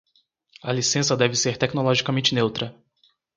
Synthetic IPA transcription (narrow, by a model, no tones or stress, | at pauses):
ɐlisẽsɐd̪ɛvɪseɾt̪ɛknolɔʒikɐmẽnt͡ʃɪnewt̪ɾɐ